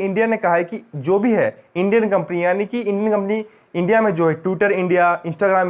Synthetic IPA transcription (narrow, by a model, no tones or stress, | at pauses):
ɪ̃ɳɖijanekɐɦaɛkid͡ʒoːbʱiɦɛːɪ̃ɳɖijənkɐ̃mpnianikiɪ̃ɳɖijənkɐ̃mpni | ɪ̃ɳɖijamẽd͡ʒoːɦɛʈwɪʈəɾɪ̃ɳɖijaɪ̃nsʈaːɡɾaːm